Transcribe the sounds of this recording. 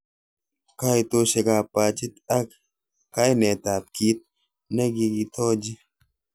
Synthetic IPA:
kajt̪oʃe˨kaː˨paː˨t͡ʃi˦t̪a˦k | ka˦jnɛ˨t̪aː˨p̚kiː˦t̪̚ | ne˦ɡi˧ɡit̪ʰɔ˦d͡ʒi˦

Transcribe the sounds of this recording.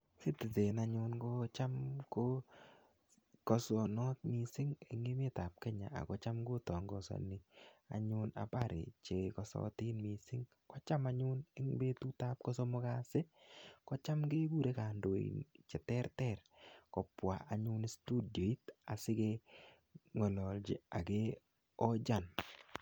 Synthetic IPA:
sɪ˦tɪ˨te˨na˦ɲʊ˦nko˦t͡ʃa˦mko˦ | kɔ˨sɔ˨nɔ˦t̪̚mi˨sɪ˦ŋe˨ŋɪ˦me˦ta˨p̚kɛ˦ɲa̰˨a̰˨kɔ˦t͡ʃa˦mko˦tɔ˨ŋɡɔ̰˨sɔ̰˨ni˨a̰˨ɲʊ˦na̰˨pa˦˨ɾɪ̰˨t͡ʃe˨kɔ˨sɔ̰˦tɪ˦nmi˨sɪ˦ŋ | kɔ˦t͡ʃa˦ma˦ɲʊ˦ne˦ŋbe˦tu˦ta˦p̚kɔ˦sɔ˦mʊ˦ka˦se˦kɔ˦t͡ʃa˦mɡe˦bu˦ɾe˦ka˨ndo˨ḭ˨nt͡ʃɛ˨tɛ˦ɾtɛ˦˨ɾkɔ˨pwa˨ʔa˨ɲʊ˦n˦stu˦djo˨i˦ta˨sɪ˦ke | ŋɔ˨lɔ˨ld͡ʒɪ̰˨a˨ke˦ | ɔ˦d͡ʒa˦˨n

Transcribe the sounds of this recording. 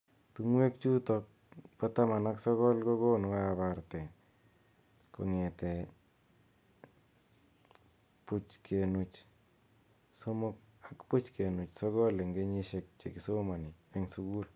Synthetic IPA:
tu˦ŋwe˦kt͡ʃu˦tɔk̚ | pa˦ta˦ma˨naksɔ˦kɔ˦lko˦konka˦baɾtɛ˨ | ko̰˨ŋe˨tɛ˨ | put͡ʃkʰe˨nu˨t͡ʃ | so˦mo˦k̚akpu˦t͡ʃkʰe˨nu˨t͡ʃsɔ˦kɔ˦le˨ŋɡe˦ɲi˦ʃek̚t͡ʃe˨ki˨so˦ma˨ni˨eŋsu˦ku˦l

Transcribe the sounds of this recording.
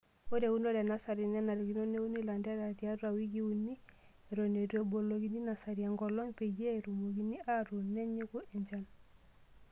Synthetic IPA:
wo˦de˨u˦no˦de˨na˦sa˨ɾi˨nɛ˦na˨ɾoɡi˨no˦ne˦u˦ni˦la˨nda˦ɾa˨ti˨a˦ɾua˨wiɡi˦unːi˦ | eɾone˨tu˦e˨bo˨lo˨ɡi˦ni˦na˨sa˨ɾia˨ŋɡolo˦ŋpe˨je˦ɾu˨mo˨ki˦ni˦ʔaɾu˨ne˦ɲi˦ku˦ʔɛ˨ɲd͡ʒa˦n

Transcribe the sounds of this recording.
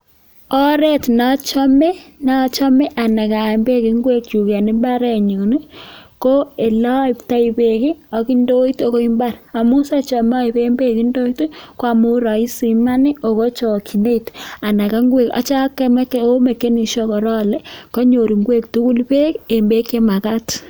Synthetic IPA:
ɔ˦ɾe˦tna˦t͡ʃɔ˦me˦na˦t͡ʃɔ˦me˦ʔa˨na˨ka˨mbe˦ki˨ŋɡwe˦k̚t͡ʃu˨kɛ˨ni˦mba˦ɾɛ˦ɲu˨ne˦ko˦e˨lɔ˦i˦pta˦ipe˨ki˦ɔ˨ki˦ndo˦i˦to˨ko˦i˦mba˦ɾa˨mu˦sa˦t͡ʃɔ˨m˦ɔ˦i˨pe˦mbe˦ki˦ndo˦i˦ti˦kwa˦mu˦ɾɔ˨i˦sima˦ni˦ʔo˨ko˦t͡ʃo˨kʰi˨ne˦ita˨na˨ka˦ŋɡwe˨ka̰˨t͡ʃa˦kːe˦m˦ko˦me˨ke˦ni˨ʃo˦kɔ˨ɾɔ˦lɛ˦ko˦ɲo˨ɾi˨ŋɡwe˦k̚tu˦ku˦lpe˦ke˨mbe˦ke˦ma˨ka˦t

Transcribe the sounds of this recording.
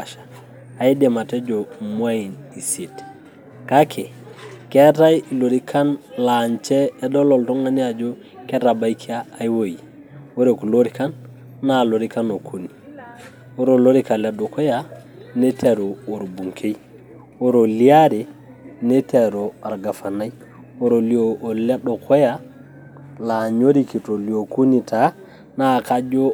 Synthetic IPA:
a˨ʃḁ˨ | a˨i˦de˨ma˨te˦d͡ʒo˨mwa˦i˨ni˨se˨t | ka˦kʰe˨ | ke˦ta˦jlo˨ɾi˦kʰa˦nla˨ɲt͡ʃɛː˦dɔ˦lɔ˨lto˦ŋa˦ɲa˨d͡ʒo˦ | ke˦ɾa˨ba˦ikʰi˦aː˦˨jwo˦ji˨ | o˦ɾe˨ku˨lo˦ɾi˦ka˦nː | a˨lo˨ɾi˦ka˦no˨kʰu˨ni˨ | wo˦ɾo˨lo˦ɾi˦ka˨la˦do˨ko˦ja˦ | ne˦te˨ɾo˨o˨ɾbu˨ŋkʰe˦j | wo˦ɾo˨li˦a˦ɾe˨ | ne˦te˨ɾo˨a˨ɾɡa˨fa˨na˦j | wo˦ɾo˨li˦o˨ʔːla˦do˨ko˦ja˦ | la˨ɲo˦ɾi˦ki˨to˨li˨o˨ku˦ni˨tʰa˨ | na˦ka˦d͡ʒo˦

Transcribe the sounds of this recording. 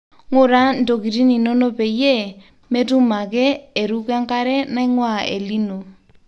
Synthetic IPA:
ŋʊ˦ɾa˦n̩˦do˨ki˨ɾi˦ni˨no˦no˦pe˨˦je˦˨ | me˦tu˦ma˨kɛ˦e˨ɾu˦ka˦ŋka˦ɾɛ˦na˦i˦ŋwa˦˨ḛ˨li˦no˨

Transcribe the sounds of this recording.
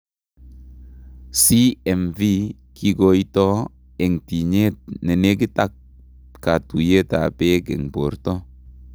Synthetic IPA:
si˦ɛ˨mvi˦ | kʰi˦ɡo˦i˦tɔ˦ | e˨ŋti˨ɲe˦ne˨ne˦ɡ̬i˦ta˦k̚ | ka˨tu˨je˦ta˨pe˦ɡḛ˨ŋpo˨ɾtɔ˦

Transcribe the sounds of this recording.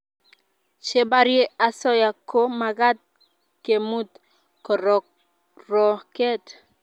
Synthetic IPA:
t͡ʃe˦ba˦ɾje˦a˨sɔ˦ja˨kʰo˦ma˨ɡa˦t̪̚ | ke˨mu˦t̪ | kɔ˨ɾɔ˨ | ɾɔ˨kɛ˦t̪

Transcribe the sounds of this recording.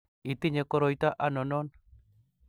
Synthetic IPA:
i˨t̪i˦ɲe˨kɔ˦ɾɔ˨jt̪a˦ʔa˦nɔ˨nɔ˦n

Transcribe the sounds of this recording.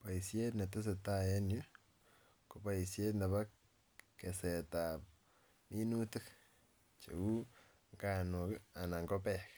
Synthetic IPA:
pa˨i˨sje˦tna˨te˦s̬e˨ta˦je˦n˦o˦ | ko˨pa˦i˨sje˦tna˨βa˦ | ke˨se˨ta˨ | mi˦nu˦te˦k | t͡ʃḛ˨u˦ | ŋɡa˦˨no˨ka˨na˨ŋɡo˦pe˦k

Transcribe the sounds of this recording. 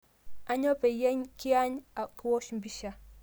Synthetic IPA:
a˦ɲɔ˦pe˨jɛ˦ɲki˦a˦ɲa˨kwo˦ʃm̩˦bi˦ʃa˦

